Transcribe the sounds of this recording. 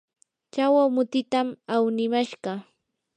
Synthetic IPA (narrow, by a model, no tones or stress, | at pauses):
t͡ʃawamʊt̪ɪt̪amawnɪmaʃɢɑ